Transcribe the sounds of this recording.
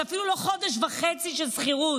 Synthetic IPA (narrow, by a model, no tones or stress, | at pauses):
afiluloχo̞d̪eʃ̬vaχet͡siʃelsχiʁut